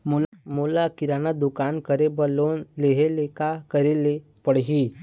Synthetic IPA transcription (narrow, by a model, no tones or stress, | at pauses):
molmoːlakɪɾaːnad̪ʊkaːnkəɾebəlonleɦelekakəɾele | pəɽɦi